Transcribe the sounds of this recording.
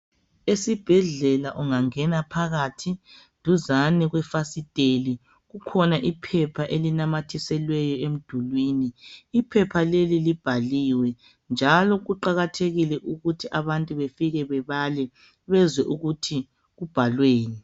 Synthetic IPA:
esib̥ʱɛɮɛlaʔuŋaŋɛnapʰaɣatʰindʱuzaniɣwɛfasid̥ʼʱeli | ɣukʰɔnaʔipʰɛpʰaʔelinamatʰisɛlwɛjɔem̩d̥ʱulwiːniːpʰɛpʰalelilib̥ʱaliːwɛ | nd͡ʒʱalɔɣuǃaɣatʰeɣilɛʔuɣutʰiʔaβantʼuβefiɣɛβɛβalɛ | βɛzwɛʔuɣutʰi | ɣub̥ʱalweːnɛ

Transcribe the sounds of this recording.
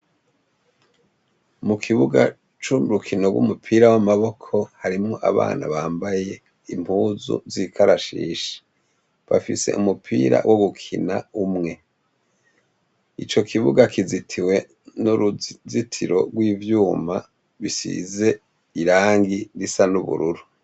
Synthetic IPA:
mukʰiβuɡa | t͡ʃuɾukʰinoɡwṵmupʰiːɾawamaβo̞kʰo̞haɾimŋo̞ʔa̰βa̰ːna̰βaːmbaje | im̥uːzṵzikʰaɾaʃḭːʃe̥ | βa̰fise̞̰ʔumupʰḭːɾa̰wʔoɡukʰina̰umŋe̞ | it͡ʃo̞kʰiβuɡakizitʰiwe̞ | nuɾzitʰiɾo̞̰ɡwiːvjuːma̰ | βisḭze̞ | iɾaːŋɡiɾisanuβṵɾuɾu

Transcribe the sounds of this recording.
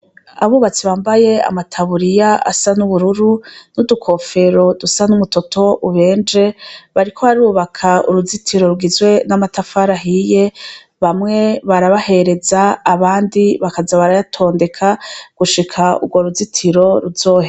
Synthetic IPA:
a̰βuβat͡siβaːmbaje̞a̰matʰaβuɾijaa̰sanuβuɾuɾunudukʰo̞fe̞ɾo̞dusanumuto̞tʰo̞ʔuβe̞ːnd͡ʒe̞βaɾikʰo̞βaɾiɾuβakʰaṵɾuzitʰiɾo̞ɾuɡizɡwe̞namatafaɾaɦije̞ | βamŋe̞βaɾaβahe̞ɾe̞zaːβaːndiβakazaβaɾajatʰo̞ːnde̞kʰaɡ̥uʃikʰaṵɡɡwo̞ɾuzitʰiɾo̞ɾuzo̞ːhe

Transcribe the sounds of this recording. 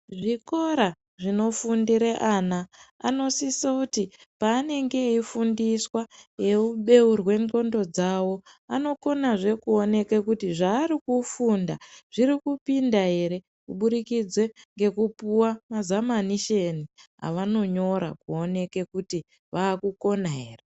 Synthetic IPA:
ʐiko̞ɾa | ʐino̞fundiɾeʔanaa̰no̞sisakutipaːne̞ŋɡe̞ifundiswaje̞uɓe̞urwe̞ŋɡo̞ndo̞d͡zawo̞ | ano̞ko̞naʐe̞kuo̞ne̞kekutiʐaːɾikufundaʐ̥iɾikupindaɦe̞ɾe̞ | kuɓuɾikid͡zwe̞ŋɡe̞kupuwamazamaniʃeniɦa̰ʋano̞ɲo̞ɾa̰kuo̞ne̞kekuti | ʋaːkuko̞naɦere

